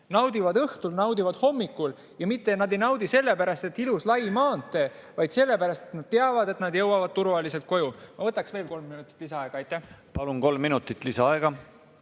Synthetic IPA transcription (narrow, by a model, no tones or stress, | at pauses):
nɑwd̪ivɑd̪ɤht̪ulnɑwd̪ivɑd̪̥ho̞mːikːˑul | jɑmit̪ːe̞nɑd̪e̞jnɑwd̪̥ise̞lːe̞pæɾɑst̪e̞t̪ːˑiluslɑjmɑːnt̪ːˑe̞vɑjd̪̥se̞lːe̞pæɾɑst̪et̪nɑd̪̥t̪eɑvɑd̪̥e̞t̪nɑd̪jɤwɑvɑd̪̚t̪uɾvɑlise̞lt̪̚ko̞jumɑvɤt̪ːˑɑksve̞ːlko̞lmːinut̪ːˑi̥t̪ːˑlisɑɑeɡ̥ɑɑjt̪ːˑæhpɑlunko̞lmːinut̪ˑːit̪ːˑlisɑɑeɡ̥ɑ